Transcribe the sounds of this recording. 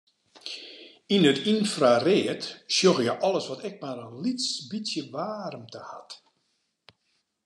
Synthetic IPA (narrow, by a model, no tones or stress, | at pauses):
inətinfrareətsjoɣjəʔɔlˠəsʋɔtɛk̚marənlitsbitsjəʋaːrəmtəha̰t